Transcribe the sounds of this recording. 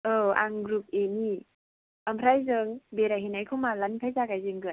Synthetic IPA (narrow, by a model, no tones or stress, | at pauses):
ɯa̰ŋɡɾup̚eni | ampʰɾajzɯŋbeɾajɦinajkʰɯmalanpʰajzaɡajzɯŋɡɯ